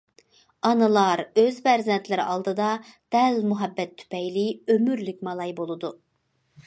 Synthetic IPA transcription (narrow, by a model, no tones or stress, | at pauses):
ɑnɨlˠɑɾøzbæɾzɛnt̪lɪɾɪ̰ʔɑlˠd̪ɨd̪ɑd̪̥ɛlmuɦɛbːɛt̪ʰːy̥pɛjliømyɾlyk̚ʲmɑlˠɑjbolˠɨd̪u